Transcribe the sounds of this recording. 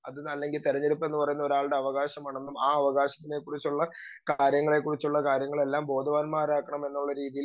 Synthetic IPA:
ɐðnɐlːe̞ŋɡilt̪iɾɐɲːeɾupːɐenːɨpɐrɐjunːɐo̞ɾaːɭɖe̞ɐʋɐɣaːɕɐmaːɳe̞nːumaːɐʋɐɣaːɕɐ̥t̪ːine̞kːurit͡ɕːuɭːɐ | kaːɾjɐŋːɐɭe̞kːurit͡ɕːuɭːɐkaːɾjɐŋːɐɭe̞lːaːmbo̞ːd̪ʱɐʋaːnmaːraːkːɐɳɐme̞nːuɭːɐɾiːðijil

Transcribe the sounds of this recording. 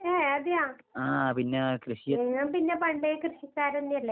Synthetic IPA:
eːed̪ijaː | aːpinːekɾɨɕijɐeŋːɐmpinːepɐɳɖekrɨɕit͡ɕʲːaːɾenːijɐlːe

